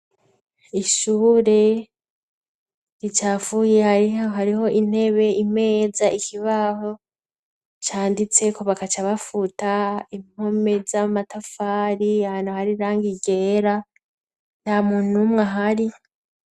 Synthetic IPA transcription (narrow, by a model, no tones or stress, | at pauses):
iʃuːɾe̞ | ɾit͡ʃaːfuːje̞haɾiɦaɾiɦo̞ʔin̥e̞βe̞ime̞ːzaʔikʰiβaho̞ | t͡ʃaːndit͡se̞ko̞βakat͡ʃaβafutaim̥ho̞me̞zamatafaːɾiahaːnuhaɾiɾaːŋɡiɡe̞ːɾa | n̥hamuːn̥umŋaɦaɾi